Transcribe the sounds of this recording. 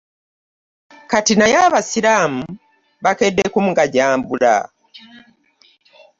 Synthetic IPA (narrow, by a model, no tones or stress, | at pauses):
katinajaβasiɾaːmu | βakedːekumuɡaɟaːmbula̰